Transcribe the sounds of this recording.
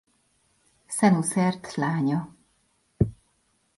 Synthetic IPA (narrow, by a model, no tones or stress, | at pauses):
sɛnusɛrt̪laːɲɔ